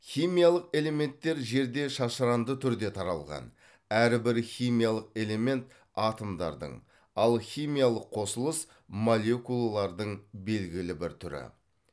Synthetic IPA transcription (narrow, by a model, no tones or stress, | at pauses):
χʲijmʲijalˠəqe̞le̞me̞nt̪ːe̞ɾʒe̞ɾd̪e̞ʃɑʃəɾɑnd̪ət̪ʰʏɾd̪e̞t̪ʰɑɾɑlˠʁɑ̰n | æɾbɪɾχʲijmijalˠəq̚e̞le̞me̞nt̪ | ɑt̪omd̪ɑ̰ɾd̪ə̰ɴ | ɑlˠχʲijmijalˠəqʰːo̞səlˠəs | molʲe̞kulˠalˠɑɾd̪əɴbe̞lɡʲɪlɪbɪɾt̪ʰʏɾɪ̰